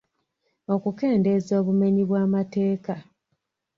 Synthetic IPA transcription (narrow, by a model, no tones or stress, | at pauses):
o̞kuke̞ːnde̞zo̞ːβume̞ɲiβwaːmate̞ːka